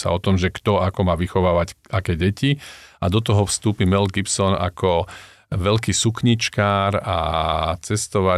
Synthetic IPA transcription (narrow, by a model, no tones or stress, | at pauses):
sa̰ɔt̪ɔmʒɛkt̪ɔakɔmaːʋixɔʋaːʋacakɛɟɛciad̪ɔt̪ɔɦɔfst̪uːpimɛlɡipsɔna̰kɔ | ʋɛʎkiːsukɲit͡ʃkaːɾat͡sɛst̪ɔʋa